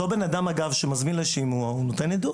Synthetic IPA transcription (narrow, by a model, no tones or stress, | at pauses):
obenadamaɡavʃemazminleʃimuaunot̪e̞nid̪u